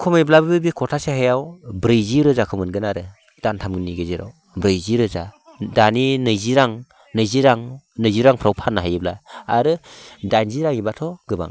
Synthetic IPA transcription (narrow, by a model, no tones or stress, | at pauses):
kʰɔmajblabɯbɯbikʰɔtʰasehajawbɾɯjziɾɯzakʰɯmɯnɡɯnaɾɯ | d̥antʰamɡɯniɡɯziɾa̰w | bɾɯjziɾɯza | daninɯjziɾaŋ | nɯjziɾaŋ | nɯjziɾaŋpʰɾawpʰanːaɦajɯblaaɾɯdanziɾaŋibatʰɔɡɯba̰ŋ